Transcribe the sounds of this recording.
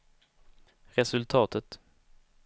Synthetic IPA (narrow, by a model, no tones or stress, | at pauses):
ɾɛsɵlt̪ʰɑːt̪ət̪